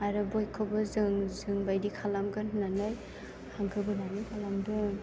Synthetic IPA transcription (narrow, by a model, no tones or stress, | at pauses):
aɾɯbɔjkʰɔbɔzɯŋzɯŋbajdikʰalamɡannanaj | haŋɡɯbɯnanikʰalamdɔ